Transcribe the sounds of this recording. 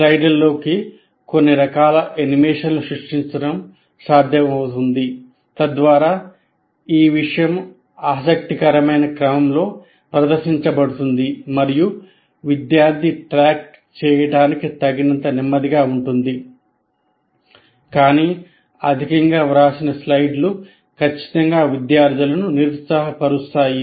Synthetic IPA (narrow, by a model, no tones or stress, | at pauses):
sɐjɖɐlːo̞ːki | ko̞nːiɾɐkaːlɐʔenimeːʂɐnluʃɾuʂʈiɲt͡ʃɐɽɐm | saːd̪ʱjɐmɐwt̪und̪i | t̪ɐd̪ʋaːɾaː | iːʋiʂɐjɐm | aːs̬ɐk̚t̪ikɐɾɐmɐjnɐkɾɐmɐmlo̞ː | pɾɐd̪ɐɾʃiɲt͡ʃɐbɐɽut̪und̪imɐɾiju | ʋid̪jaːɾd̪ʱiʈɾaːk̚ | t͡ʃɛːjɐɽaːnikit̪ɐɡinɐnt̪ɐnimːɐd̪iɡaːuɳʈund̪i | kaːniː | ɐd̪ʱikɐŋɡaːɾaːsinɐslɐjɖlu | kʰɐt͡ʃːi̥t̪ɐŋɡaːʋid̪jaːɾd̪ʱjulɐnuniɾut̪saːɦɐpɐɾust̪aːji